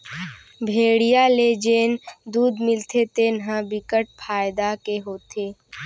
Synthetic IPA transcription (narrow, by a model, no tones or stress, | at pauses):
bʱeːɽijaled͡ʒeːnd̪uːd̪mɪlt̪ʰet̪eːnɦãbɪkəʈ̚pʰaːjɪd̪akeɦoːt̪ʰeː